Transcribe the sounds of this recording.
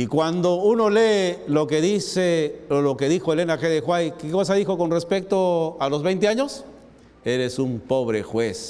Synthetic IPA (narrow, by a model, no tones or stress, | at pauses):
ikwand̪o̞uno̞lelokeðiseolokeðixoele̞naxeðexwajkekosaðixokonrespek̚t̪oalo̞zβejnt̪eaɲos | e̞ɾesumpo̞βɾexwes